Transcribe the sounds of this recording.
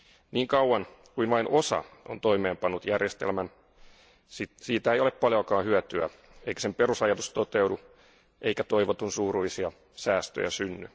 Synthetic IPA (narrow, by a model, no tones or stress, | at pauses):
niːŋkɑwwɑn | kuinʋɑinʔo̞sɑ̰o̰nt̪o̞ime̞ːmpɑnːut̪jærjest̪ḛlmæn | sisiːt̪æejoleppɑljokɑːhyœt̪yæ̰ | ejkæ̥sempeɾusɑjɑt̪ust̪ot̪ewdu | ʔeijkæt̪o̞iʋot̪unsuːɾulːisiɑ | sæːst̪ø̰jæ̰synːy